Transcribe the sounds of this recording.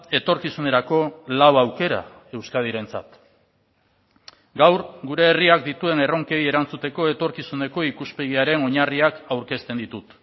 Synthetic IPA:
e̞t̪o̞ɾkisune̞ɾako̞lawawke̞ɾa̰ | e̞wskað̞iɾe̞nt͡sa̰t̪ | ɡawɾɡuɾe̞ːriakd̪it̪ue̞ne̞ro̞ŋke̞je̞ɾant͡sut̪e̞ko̞e̞t̪o̞ɾkisune̞ko̞ikuspe̞ɣ̞iaɾe̞no̞ɲariakawɾke̞st̪e̞nd̪it̪ut̪

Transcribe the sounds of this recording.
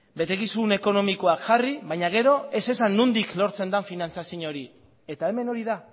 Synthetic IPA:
be̞t̪e̞kisune̞ko̞no̞mikoakʝariβaɲaɣ̞e̞ɾo̞e̞se̞sanːund̪iklo̞ɾt͡se̞nd̪anfinant͡sasiɲo̞ɾi | e̞t̪ae̞me̞no̞ɾiða

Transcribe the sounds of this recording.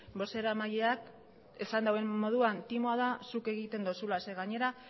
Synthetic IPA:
bo̞se̞ɾamajeak | esand̪awe̞mːo̞ð̞uant̪imoaðasuke̞ɣit̪e̞nd̪osulaseɣaɲe̞ɾa

